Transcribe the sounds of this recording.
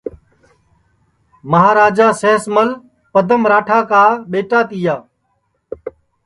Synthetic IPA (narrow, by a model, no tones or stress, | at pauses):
məɦaːɾaːd͡ʒaːseːsməl | pəd̪ʱəmɾaːʈʰaːkaːɓeːʈaːt̪iːjaː